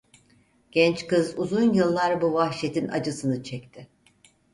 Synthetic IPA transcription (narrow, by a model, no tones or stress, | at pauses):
ɟ̥ɛnt͡ʃkɯzuzunjɯlˠːaɾbuvahʃet̪ʰina̰d͡ʒɯsɯnɯt͡ʃʰɛc̚t̪ʰɪ